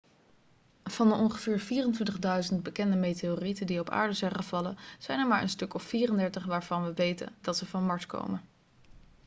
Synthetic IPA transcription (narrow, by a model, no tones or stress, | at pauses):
v̥ɑndəɔŋχəv̥ɪːɹv̥iːrəntʋɪntəχdœɥzənd̚bəkɛndəmejteoritəndiɔpa̰ːɹdəzɛjχəvɑlənz̥ɛjnɛɹmaːɹʔə̰nstɵkɔpfiːrəndɛɹtəχʋaːɹvɑnʋəʋejtə̰ndɑtsəvɑnmɑɹtko̰wmə